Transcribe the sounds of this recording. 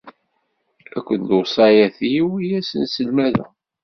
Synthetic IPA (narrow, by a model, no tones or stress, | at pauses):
ækʷːənd̪osˤɑjæθiiwijæsənsəlmæðæ̰